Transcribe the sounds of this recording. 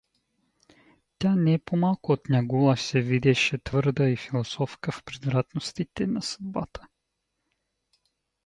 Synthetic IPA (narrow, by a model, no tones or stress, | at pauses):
t̪ʲanɛɛpomalˠkʊot̪nʲaɡulˠasɛvid̪ɛʃɛt̪vɤɾd̪əifilˠosɔfkəfpɾɛd̪vɾat̪nost̪it̪ɛnɐsə̥d̪ba̰t̪ə̥